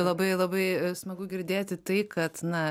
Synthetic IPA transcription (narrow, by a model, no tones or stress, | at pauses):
lˠɐbɐɪlˠɐbɐɪsmɐɡʊɡʲɪɾʲd̪ʲeːt̪ʲɪt̪ɐɪkɐt̪nɐ